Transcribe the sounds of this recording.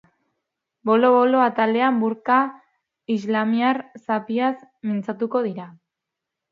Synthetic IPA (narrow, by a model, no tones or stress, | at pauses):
bo̞lo̞βoloat̪ald̪e̞ambuɾka | izlamiaɾsapiasmint͡sat̪uko̞ð̞iɾa